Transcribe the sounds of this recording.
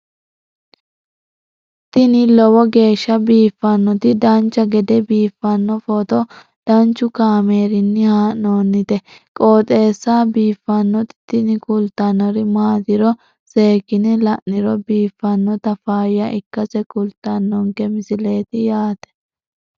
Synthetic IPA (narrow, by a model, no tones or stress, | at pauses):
t̪ɪnɪlɔwɔɡe̞ːʃːɐbiːfːɐnːɔt̪ɪd̪ɐnt͡ʃːɐɡɛd̪ɛbiːfːɐnːɔfɔt̪ɔ | d̪̥ɐnt͡ʃːʊkaːmeːɾɪnːɪhaːʔnoːnːɪt̪ɛkʼoːt̪ʼe̞ːsːabiːfːɐnːɔt̪ɪ̥t̪ɪnɪkʊlt̪ːɐnɔɾɪmaːt̪ɪɾɔ | se̞ːkːɪnɪlɐʔnɪɾɔbiːfːɐnːɔt̪ɐfaːjɐʔɪkːɐsɛkʊlt̪ːɐnːɔŋkɛmɪsɪle̞ːt̪ɪjaːt̪ɛ̥